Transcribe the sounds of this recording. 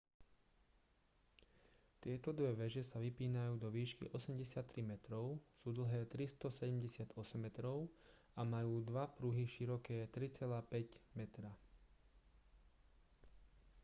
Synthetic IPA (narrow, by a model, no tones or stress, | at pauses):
t̪ɪɛt̪ɔd̪ʋɛʋɛʒɛsaʋipiːnajuːd̪ɔʋiːʃkḭʔɔsɛmɟɛsɪat̪ːɾimɛt̪ɾɔʊsuːd̪l̩ɦɛːt̪ɾist̪ɔsɛɟɛmɟɛsɪad̪ɔsɛmːɛt̪ɾɔʊ | amajuːd̪ʋapɾuɦiʃiɾɔkɛːt̪ɾit͡sɛlaːpɛɟmɛt̪ɾa